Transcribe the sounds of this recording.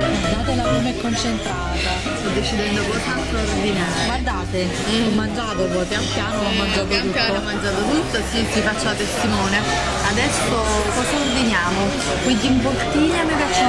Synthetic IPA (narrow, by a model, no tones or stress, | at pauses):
d̪aːt̪elabunɛkːont͡ʃent̪ɾaːt̪a | st̪ɔd̪ːet͡ʃid̪ɛnd̪okɔsat̪rvinaːɾeɡward̪aːt̪e | ɔmːand͡ʒaːt̪okɔpjampjaːnoɔmːand͡ʒat̪ouɔmːand͡ʒat̪̬ot̪ut̪ːasit̪ːifat͡ʃːalat̪est̪imɔːne | ad̪ɛsokɔsarvinjaːmo | kwind͡ʒ̪impokt̪iːlamekat͡ʃː